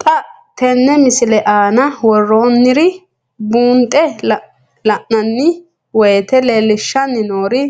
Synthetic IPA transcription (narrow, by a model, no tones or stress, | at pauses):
t̪ʼɐ | t̪ɛnːɛmɪsɪlɛʔaːnɐwɔrːoːnːɪɾɪ | buːnt̪ʼːɛl | lɐʔnɐnːɪ | wɔjt̪ɛleːlːɪʃːɐnːɪnoːɾɪ